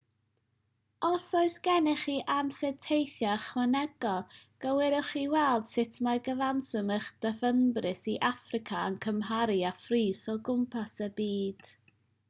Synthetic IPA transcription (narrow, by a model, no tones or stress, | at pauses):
ɔsɔɨsɡ̥ɛnɪχiːʔamsɛtʰejθjaχwanɛɡ̥ɔlˠɡ̥əwɪɾʊχiːwɛlˠd̥sɪtʰmaɡəvansɔməχd̥əvənbrɪsiʔafrɪkʰaə̰nkʰəmɦaɾiafriːsɔɡʊmpʰasəbiːd̥